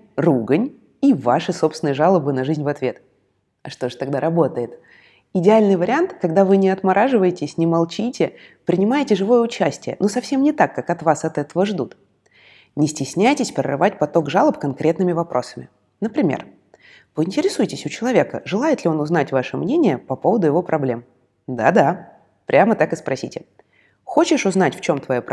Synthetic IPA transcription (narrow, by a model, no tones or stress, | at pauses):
ruɡənʲ | ivaʂɨso̞psʲvɪnɨjʐalˠəbɨnɐʐɨzʲnʲvɐt̪vʲe̞t̪ | ɐʂt̪o̞ʐɨt̪ɐɡd̪aɾɐbo̞t̪əjɪt̪ | ɪdʲɪalʲnɨjvəɾʲɪant̪kɐɡd̪avɨnʲɪɐt̪mɐɾʔaʐɨvəjɪtʲɪsʲnʲɪmɐlˠt͡ɕitʲɪpɾʲɪnʲɪmajɪtʲɪʐɨvo̞jəʊt͡ɕæsʲtʲɪjə̰nosɐfsʲe̞mnʲɪt̪akːakɐt̪vasɐt̪ɛt̪əvəʐd̪ut̪ | nʲɪsʲtʲɪsʲnʲæjtʲɪsʲpɾʲɪ̰rɨ̰vatʲpɐt̪o̞ɡʐalˠəpkɐnkɾʲe̞t̪nɨmʲɪvɐpɾʔo̞̰sə̥mʲɪ̰ | nəpɾʲɪmʲḛr | vɨɪnʲtʲɪɾʲɪsujɪtʲɪsʲʊt͡ɕɪlˠɐvʲe̞kə̰ʐɨlˠajɪt̪lʲɪo̞nʊzn̪atʲvaʂɨmnʲenʲɪjəpɐpo̞vəd̪ʊjɪvo̞pɾʔɐblʲe̞m | d̪a̰d̪a | pɾʲamət̪akɨspɾɐsʲḭtʲɪ | xo̞t͡ɕɪʂʊznatʲft͡ɕo̞mt̪vɐjop